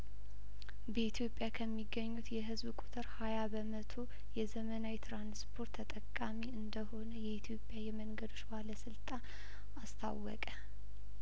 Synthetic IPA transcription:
bəit̪ʰjo̞pʼjakʰəmːiɡːəɲːut̪jɛɦɨzbkʼut̪ʰɨɾhajabəmət̪ʰo | jɛzəmənawit̪ɾanspʰo̞ɾt̪ʰʼːət̪ʼəkʼːamiɨnd̪əho̞nəjɛit̪ʰjo̞pʼjajɛməŋɡəd̪oʃbaləsɨlt̪ʼan | ast̪ʰa̰wːɔ̰kʼə

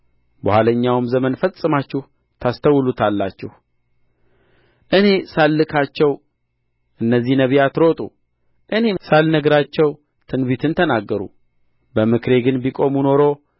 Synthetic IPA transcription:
bəhaləɲːawɨmzəmənfəsʼɨmat͡ʃːɪh | t̪ʰast̪ʰəwlut̪ʰalːat͡ʃːɪh | ʔɨne̞salːɨkʰat͡ʃːɛw | ʔɨnːəzːihnəβijat̪ɾo̞t̪ʼṵ | ʔɨne̞salnəɡɾat͡ʃːɛw | t̪ʰɨnbit̪ʰɨnt̪ʰənaɡːəɾṵ | bəmɨkɾe̞ɡɨnbikʼo̞muno̞ɾo̞

